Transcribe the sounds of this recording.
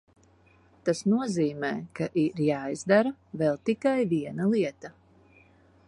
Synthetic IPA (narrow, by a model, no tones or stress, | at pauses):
t̪asnuɔziːmɛːkaʔiɾjaːjzd̪aɾavɛlˠt̪ikajviɛnalˠiɛt̪a